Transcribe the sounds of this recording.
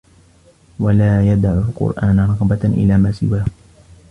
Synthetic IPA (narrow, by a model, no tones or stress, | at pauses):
walaːjad̪aʕʊlqʊ̰ɾʔaːnɾˤɑɣbaʔɪ̰laːmaːsɪ̰waː